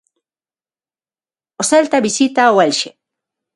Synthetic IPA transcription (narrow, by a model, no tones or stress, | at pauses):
ʔosalt̪abisit̪awalʃe